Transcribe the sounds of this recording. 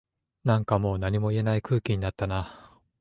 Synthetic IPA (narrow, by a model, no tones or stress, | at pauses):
nãŋkamo̞ːnaɲ̟imo̞ie̞naikɯ̟ːkʲiɲ̟inat̪ːana